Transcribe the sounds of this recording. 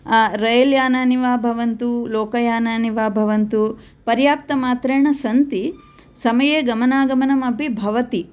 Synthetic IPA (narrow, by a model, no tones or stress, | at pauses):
ɾɐjɐljaːnaːniʋaːbʱɐʋɐnt̪uloːkɐjaːnaːniʋaːbʱɐʋɐnt̪u | pɐɾjaːp̚t̪ɐmaːt̪ɾeːɳɐsɐnt̪i | sɐmɐjeːɡɐmɐnaːɡɐmɐnɐmɐbʱibʱɐʋɐt̪i